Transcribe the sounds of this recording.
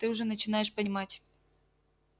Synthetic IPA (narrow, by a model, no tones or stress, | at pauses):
t̪ɨʊʐɛnət͡ɕɪnajɪʂpənʲɪmatʲ